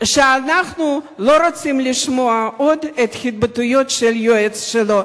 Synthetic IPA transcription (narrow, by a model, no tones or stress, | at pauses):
ʃeanaχnulo̞ɾot͡simliʃmoaod̪et̪χʲit̪̚bet̪ujo̞t̪ʃeljoet͡sʃelo